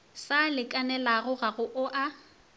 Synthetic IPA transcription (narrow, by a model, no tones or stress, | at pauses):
salɪkʼanɛlaɣʊɣaɣʊʔʊʔa